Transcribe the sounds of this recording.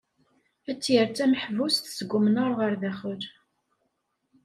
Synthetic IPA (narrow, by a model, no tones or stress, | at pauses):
æt͡sːjəɾt͡sːæməħvust̪səɡʷːʊmnəɾˤʁəɾðæχəɾ